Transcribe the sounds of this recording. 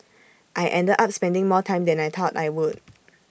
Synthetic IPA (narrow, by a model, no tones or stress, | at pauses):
ʔajʔɛ̃ndədʔap̚spɛ̃ndɪ̃ŋmɔtʰãɪ̃mdɛ̃najt̪ʰɔta̰jwud̚